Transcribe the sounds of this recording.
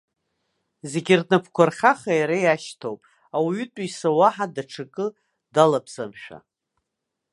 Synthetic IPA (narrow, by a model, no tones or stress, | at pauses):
zeɡʲɪrnɨpʰkʷʰarχʲaχajaɾajaʃtʰo̰wpʼ | awytʼisawaħadaʈ͡ʂʰɨkʼɨ | dalapʰzamʃᶣa̰